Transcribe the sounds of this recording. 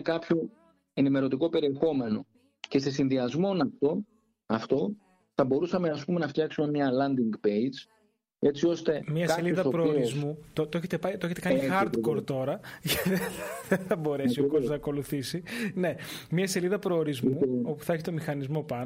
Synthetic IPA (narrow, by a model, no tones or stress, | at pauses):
kɐpço | e̞nime̞ɾo̞t̪iko̞pe̞ɾie̞xo̞me̞no̞ | ce̞sesinðiɐzmo̞nɐft̪o̞ | ɐft̪o̞ | θɐbo̞ɾusɐme̞ɐspume̞nɐft̪çɐksume̞mɲɐlɐnd̪iŋɡpejd͡z | e̞t͡sio̞st̪e̞mɲiɐksɐeliðɐopɾoːɾizmut̪ot̪oçet̪epɐit̪oeçet̪ekɐnixɐɾd̪koɾt̪o̞ɾɐʝɐt̪ðeðeθɐbo̞ɾe̞siokozmoznɐko̞luθisine̞mɲɐse̞liðɐpɾo̞ːɾizmuo̞pu̥θɐeçit̪o̞mixɐnizmo̞pɐn